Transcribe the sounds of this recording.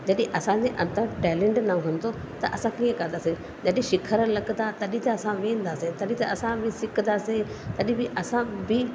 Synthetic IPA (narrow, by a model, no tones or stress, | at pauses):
d͡ʑɐɗĩʔɐsãd͡ʑeʔɐ̃nt̪əɾʈɛːlẽɳʈnaũɦɐnt̪o | t̪ɐ̰ʔɐsãkiə̃kɐ̃nd̪aːsẽ | d͡ʑɐɗĩʃɪkʰəɾəlɐɡd̪at̪ɐɗĩt̪ɐːsãʋẽːnd̪aːsẽt̪ɐɗĩt̪ɐʔɐsãbʱɪsɪkd̪aːsẽ | t̪ɐɗĩbiʔɐsãbi